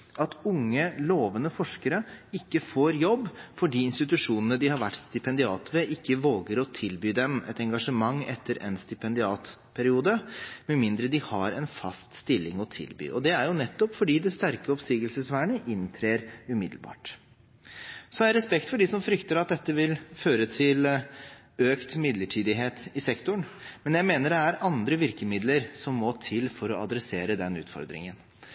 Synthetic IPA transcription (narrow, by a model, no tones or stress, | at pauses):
ɑt̪ʊŋːəloːʋənəfɔʂkəɾəɪkːəfoːɾjɔbːfɔɖiːɪnst̪ɪt̪ʉʂuːnənəd̪ɪhɑɾʋæʈːst̪ɪpɛnd̪ɪɑːt̪ʋɛʔɪkːəʋoːɡəɾɔt̪ʰɪlbyːd̪ɛmɛ̰t̪ɛŋɡɑʂəmɑŋːɛt̪ʰːəɾʔɛ̰nst̪ɪpɛnd̪ɪɑːt̪pʰæɾɪuːd̪əmɛnmɪnd̪ɾəd̪ɪhɑɾɛnfɑ̰st̪st̪ɪlːɪ̰ŋɔt̪ʰɪ̰lby̰ːʔɔd̪ɛæɾjʊnɛt̪ːɔpfɔɖiːd̪ɛst̪æɾkəɔpsiːɡəlsəsʋæːɳəʔɪnt̪ʰɾeːɾʉmɪd̪əlbɑ̰ːʈ | sɔɑjæɾɛspɛkt̪fɔɖisɔmfɾʏkt̪əɾɑt̪̚d̪ɛt̪ːəʋɪlføːɾət̪ʰɪl | øːkt̪mɪd̪ləʈʰiːd̪ɪɦeːt̪ɪsɛkt̪ʊɳmɛnjæɪmeːnəɖɛæɾɑnd̪ɾəʋɪɾkəmɪd̪ləɾsɔmːɔt̪ʰɪlfɔɾɔɑd̪ɾɛseːɾəd̪ɛnʉ̰ːt̪fɔ̰ɾd̪ɾɪ̰ŋən